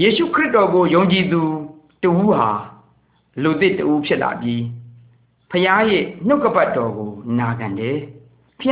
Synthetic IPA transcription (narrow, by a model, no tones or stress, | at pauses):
jeʃṵkʰɹɪʔtɔɡojõʊ̃ɲt͡ɕid̪u | təʔuɦa | lod̪ɪtəʔupʰjɪʔla̰bji | pʰəjajɪn̥oʊkːəpatːɔɡonaɡãndɛ | pʰəj